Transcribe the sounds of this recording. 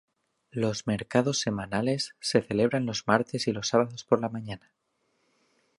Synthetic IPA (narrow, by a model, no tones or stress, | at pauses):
lo̞zme̞ɾkað̞o̞sːe̞mãnale̞sːe̞θe̞le̞β̞ɾanlo̞zmaɾt̪e̞silo̞sːaβaðo̞spo̞ɾlamãɲana